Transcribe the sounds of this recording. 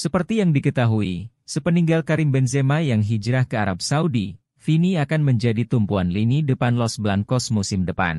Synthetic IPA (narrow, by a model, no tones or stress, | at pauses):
səpərt̪ijaŋdikət̪aɦui | səpəniŋɡalkaɾɪmbɛnsemajaŋɦid͡ʒɾahkəaɾap̚saudi | finiakanməɲd͡ʒadit̪umpuanlinidəpanlɔsblaŋkɔsmusɪmdəpa̰n